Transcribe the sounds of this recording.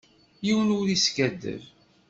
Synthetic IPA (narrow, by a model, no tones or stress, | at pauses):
jiwnuðiskæd̪ːə̰v